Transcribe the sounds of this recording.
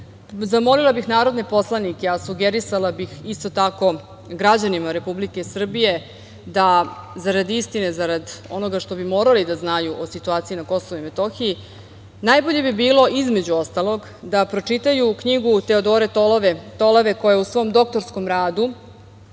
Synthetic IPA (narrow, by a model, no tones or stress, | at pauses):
zamo̞lilˠabixnaːɾo̞d̪nepo̞slˠanikeasuɡeɾisalˠabixist̪o̞t̪ako̞ | ɡɾad͡ʑanimaɾe̞publike̞sr̩bije̞ | d̪azaɾad̪ist̪ine̞zaɾad̪o̞no̞ɡaʃt̪o̞bimo̞ːɾalid̪aznajuʔosit̪uaːt̪sijinako̞soʋoime̞t̪o̞xii | najbo̞ʎe̞bibiːlo̞ʔizmed͡ʑuo̞st̪alˠo̞ɡ | d̪apɾo̞t͡ʂit̪ajukɲiɡut̪e̞o̞d̪o̞ːɾet̪oet̪o̞loʋe̞ko̞jeusʋo̞ːmd̪o̞k̚t̪o̞ɾsko̞mɾaːd̪u